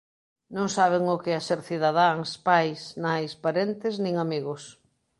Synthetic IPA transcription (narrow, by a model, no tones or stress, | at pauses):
nõŋsaβ̞eŋʊkɪaseɾθiðaðaŋspajsnajspaɾent̪ɪznĩŋamiɣʊs